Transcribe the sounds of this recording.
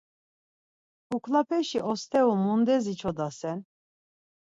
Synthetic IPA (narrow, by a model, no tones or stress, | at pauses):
ukʰlapʰɛʃiʔɔst̪ʰɛumund̪ɛzit͡ʃʰɔd̪asɛn